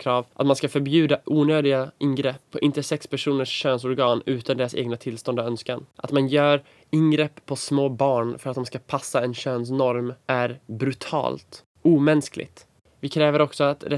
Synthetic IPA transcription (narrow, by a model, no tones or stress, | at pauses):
kʰɾɑːvʔat̪manskafœɾbjʉ̟ːd̪aʔuːnøːd̪ɪɡaʔɪnɡɾɛpʰːɔʔɪnt̪əsɛkspʰæʂuːnəʂːøːns̬ɔɾɡɑːnʉ̟ːt̪and̪ɛːsḛːɡnat̪ʰɪlst̪ɔnd̪aœnskanʔa̰t̪manjœːɾ | ɪnɡɾɛpʰːɔsmoːbɑːɳfœɾat̪d̪ɔmskapʰasːaɛnɕøːns̬nɔɾmʔæɾbɾɵt̪ʰɑ̰ːlt̪ | uːmɛnsklɪ̰ɡt̪ | vɪkʰɾɛːvəɾɔksɔat̪ɾɛ